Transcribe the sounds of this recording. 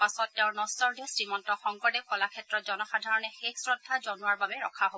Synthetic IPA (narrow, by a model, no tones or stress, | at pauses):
pasɔt̚ːeʊ̃ɹnɔsɔɹdesɹimɔntɔxɔŋkɔdɛkɔlakʰɛtɹɔtzɔnɔxadʱaɹɔnɛxeksɹɔdʱːazɔnuwaɹbabɛɹɔkʰaɦob